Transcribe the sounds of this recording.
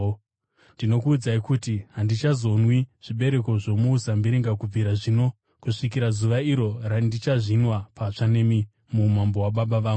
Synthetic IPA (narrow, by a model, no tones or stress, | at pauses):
ndino̞kuːd͡zaikutiɦandit͡ʃazo̞nwiʐ̥iɓe̞ɾe̞ko̞ʐo̞muːsambiɾiŋɡakub͡viɾaʐino̞ | kuʂik̬iɾazuʋaiɾo̞randit͡ʃaʐinwapat͡ʂanemi | mumambo̞waɓaɓaʋaːɡu